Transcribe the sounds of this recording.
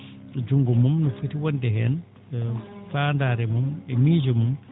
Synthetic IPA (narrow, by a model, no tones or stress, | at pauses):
d͡ʒuŋɡumumnɔfətiwɔndɛɦɛn | fandaːɾɛmumɛmiːd͡ʒumum